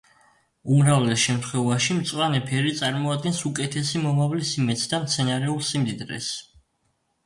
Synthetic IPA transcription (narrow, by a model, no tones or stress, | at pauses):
umɾavlɛsʃɛmt̪ʰχwɛvaʃimt̪sʼwanɛpʰɛɾit̪sʼaɾmɔad̪̚ɡɛnsukʼɛt̪ʰɛsimɔmavlisimɛt̪sʰd̪amt̪sʰɛnaɾɛulˠsimd̪id̪ɾɛ̰s